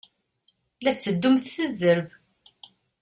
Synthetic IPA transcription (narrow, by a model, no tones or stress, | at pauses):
læθt͡sːəd̪ːumθθəzːəɾv